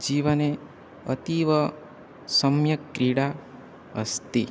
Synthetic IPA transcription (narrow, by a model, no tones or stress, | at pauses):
d͡ʒiʋəne | ət̪iʋə | səmjəkːɾiɽa | ə̰st̪i